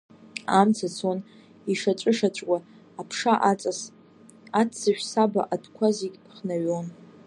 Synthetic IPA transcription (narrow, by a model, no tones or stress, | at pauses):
amt͡sʰat͡sʰon | iʂat͡ʃʷʼɨʂat͡ʃʷʼkʷʼaː | pʰʂaʔat͡sʼas | at͡sʰt͡saʃᶣʷsaba̰ʔadkʷʰaziɡʲpʰχnaɥon